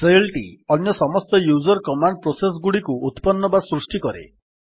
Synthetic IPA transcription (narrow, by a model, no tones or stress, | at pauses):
selʈḭɔnjɔsɔmɔst̪ɔjud͡ʒɔɾkɔmaɳɖ̚pɾoses̬ɡuɽikuut̪pɔnːɔbasɾusʈikɔɾḛ